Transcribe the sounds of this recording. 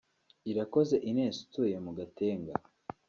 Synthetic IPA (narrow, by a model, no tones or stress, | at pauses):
iɾako̞ze̞ʔineːsu̥tujemuɡate̞ːŋɡa